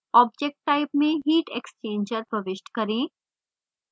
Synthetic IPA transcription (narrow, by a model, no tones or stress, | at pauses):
ɔːb̚d͡ʒek̚ʈːaɪpmẽɦiːʈekst͡ʃẽːɲd͡ʒəɾpɾɐʋɪʃʈkɐɾẽː